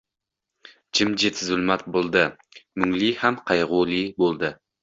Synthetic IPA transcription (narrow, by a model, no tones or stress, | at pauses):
d͡ʒɪmd͡ʒet̪ʰːɪzʊlˠmɑt̪̚bolˠd̪ɨ | myŋlihæmqʰɑjʁulˠibolˠd̪ɨ